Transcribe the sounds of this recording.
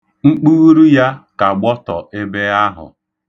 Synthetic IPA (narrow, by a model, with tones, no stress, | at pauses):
ŋ͡m̩˦k͡puː˦ɾu˦ja˦ka˨ɡ͡bɔ˦tɔ˨ʔe˦be˦a˦ɦʊ̰˨